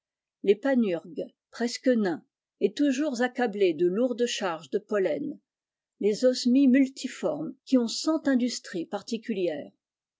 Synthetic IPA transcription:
lepanyʁɡ | pχɛskənɛ̃ | ɛt̪uʒuʁzakabled̪əluʁd̪ʃaʁʒd̪əpɔlɛn | lezɔsmimylt̪ʰifɔʁmkʲiɔ̃sɑ̃t̪ɛ̃d̪yst̪χipaʁt̪ikʲyljɛːʁ

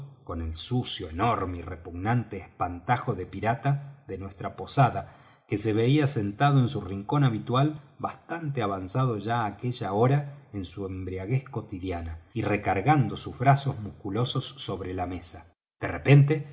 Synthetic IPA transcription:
ko̞ne̞lsusjo̞eno̞ɾmeirepuɣnant̪eːspant̪axo̞ðepiɾat̪aðe̞nwe̞st̪ɾapo̞saða | kese̞βe̞iase̞nt̪aðoe̞nsuriŋko̞naβit̪walbast̪ant̪eaβansað̞o̞ʒaːke̞ʒaoɾaensuembɾiaɣesko̞t̪iðjanairekaɾɣand̪o̞suzβɾaso̞zmuskulo̞so̞sːo̞βɾelame̞sa | d̪̥erepe̞nt̪e̞

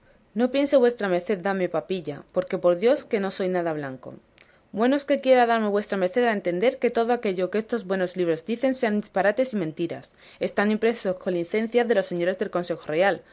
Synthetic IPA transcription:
no̞pje̞nse̞βwe̞st̪ɾame̞ɾθe̞ðd̪ame̞papiʎa̰po̞ɾke̞po̞ɾðjo̞ske̞no̞so̞jnaðaβ̞laŋko̞̰ | bwe̞no̞ske̞kje̞ɾaðaɾme̞βwe̞st̪ɾame̞ɾθe̞ðaent̪e̞nd̪e̞ɾke̞t̪o̞ð̞oake̞ʝo̞keest̪o̞zβwe̞no̞zliβɾo̞zd̪iθe̞nse̞and̪ispaɾat̪e̞simẽnt̪iɾa̰s | e̞st̪anĩmpɾe̞so̞sko̞linθe̞n̟θjaðe̞lo̞sːe̞ɲo̞ɾe̞zðelko̞nse̞xoreal

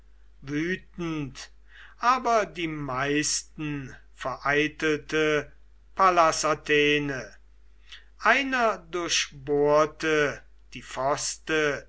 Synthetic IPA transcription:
vyːtn̩t | ʔaːbɐdiːmaɪstn̩ | fɛɐʔaɪtəl̩tə | pʰalasatʰeːnə | ʔaɪnɐdʊɐʃboːɐtə | d̥iːfɔstə

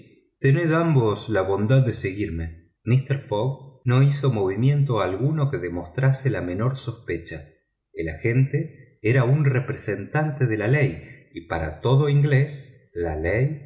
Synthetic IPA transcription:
t̪eneðambo̞slaβo̞nd̪aðːeseɣiɾme̞ | mist̪eɾfoɣno̞iso̞mo̞β̞imje̞nt̪o̞alɣuno̞ke̞ðemo̞st̪ɾaselame̞no̞ɾso̞spet͡ʃa | elaxe̞nt̪e̞ | eɾaunrepɾese̞nt̪ant̪eð̞e̞lalejipaɾa̰t̪o̞ðo̞iŋɡles | lalej

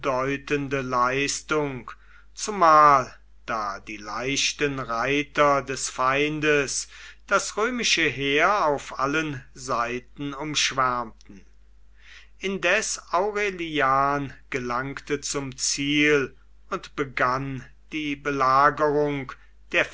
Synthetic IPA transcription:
dɔʏtəndəlaɪstʊŋk | t͡sʊmaːl | d̥aːdiːlaɪʃtənʁaɪtɐdɛsfaɪndəsd̥asʁøːmɪʃəɦeːɐaʊfʔalənzaɪtn̩ʊmʃv̥æɐmtn̩ | ʔɪndɛsʔaʊʁeliaːnɡ̥əlaŋktət͡sʊmt͡siːl | ʊntb̥əɡan | d̥iːbəlaːɡəʁʊŋk | d̥eːɐ

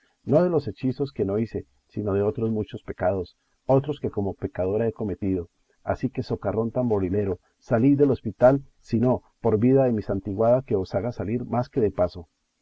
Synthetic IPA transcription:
no̞ðe̞lo̞se̞t͡ʃiso̞ske̞no̞ise̞ | sino̞ðe̞o̞t̪ɾo̞zmut͡ʃo̞spe̞kað̞o̞s | o̞t̪ɾo̞ske̞ko̞mo̞pe̞kað̞o̞ɾae̞ko̞me̞t̪iðo̞ | a̰sike̞so̞karo̞nt̪ambo̞lile̞ɾo̞ | salizd̪e̞lo̞spit̪al | sino̞po̞ɾbiðaðe̞misant̪iɣwaðake̞o̞saɣasaliɾmaske̞ðe̞paso̞

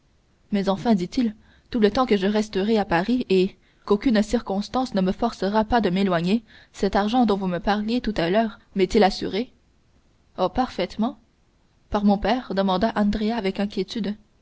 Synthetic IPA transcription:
mɛzɑ̃fɛ̃d̪it̪il | t̪ulət̪ɑ̃kəʒəʁɛst̪əʁeapaʁie | kokʲynsiʁkɔ̃st̪ɑ̃snəməfɔʁsəʁapad̪əmelwaɲe | sɛt̪aʁʒɑ̃d̪ɔ̃vuməpaʁljet̪ut̪alœːʁmɛt̪ilasy̰ʁe | opaʁfɛt̪mɑ̃ | paʁmɔ̃pɛːʁd̪əmɑ̃d̪aʔɑ̃nd̪ʁeaːvɛkɛ̃kʲjet̪yd̪

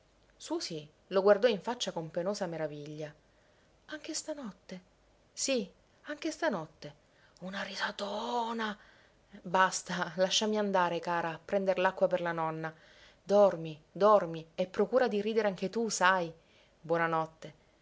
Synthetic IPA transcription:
susi | loɡward̪ɔiɱfat͡ʃːakompenoːzameɾaviʎːa | aŋk̟est̪anɔt̪ːe | si | aŋk̟est̪anɔt̪ːe | unaɾisat̪oːna | bast̪alaʃːamiand̪aːɾekaːɾaːpːɾɛnd̪eɾelakːwaperlanɔnːa | d̪ɔrmid̪ɔrmiepːɾokuːɾad̪iɾiːd̪eɾeaŋk̟et̪usaj | bwɔnanɔt̪ːe

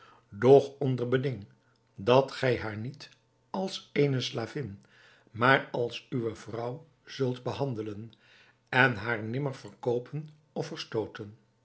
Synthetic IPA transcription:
dɔχɔndəɹbədɪŋ | dɑtχɛjɦaːɹnit | ɑlˠsejnəslaːvɪn | maːrɑlˠsyʋəvrʌw | z̥ɵlˠtbəɦɑndələn | ɛnɦaːɹnɪməɹv̥əɹkowpʰən | ɔfəɹstowtən

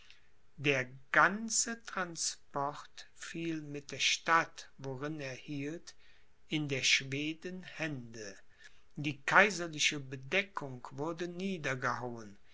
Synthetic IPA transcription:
deːɐɡant͡sətʁ̥anspɔʁtfiːlmɪt̚d̥eːɐʃtatvoʁɪneːɐhiːlt | ɪndeːɐʃv̥eːdənhɛndə | diːkʰaɪzɐlɪʃəbədɛkʰʊŋkv̥ʊɐdəniːdɐɡəhaʊən

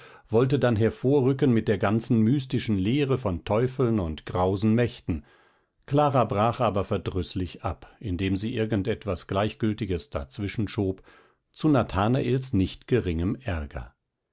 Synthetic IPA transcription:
vɔltədanɦɛɐfoːɐʁʏkənmɪt̚d̥eːɐɡant͡sn̩myːstɪʃn̩leːʁəfɔntʰɔʏfl̩nʊntɡ̥ʁaʊzn̩mɛçtn̩ | kʰl̥aːʁabʁaːχʔaːbɐfɛɐdʁʏslɪçʔa̰pʔɪndeːmziːʔɪɐɡn̩tɛtv̥asɡ̥laɪçɡ̥ʏltɪɡəsd̥a̰t͡sv̥ɪʃn̩ʃoːp | t͡sunatʰaːnaʔeːlsnɪçtɡ̥əʁɪŋəmʔɛɐɡɐ̰

